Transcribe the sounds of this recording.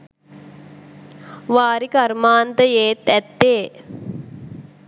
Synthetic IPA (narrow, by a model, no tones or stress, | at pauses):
ʋaːɾikaɾmaːnt̪əjeːt̪æt̪ːeː